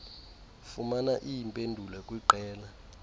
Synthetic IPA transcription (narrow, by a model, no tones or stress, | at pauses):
fumanaʔijimpʼendʱulɛkʼwiǃɛːla